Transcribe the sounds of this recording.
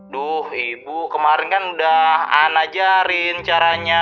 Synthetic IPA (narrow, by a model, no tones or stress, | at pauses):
dɔhibukəmaɾɪnkanudaha̰nad͡ʒaɾɪnt͡ʃaɾaɲa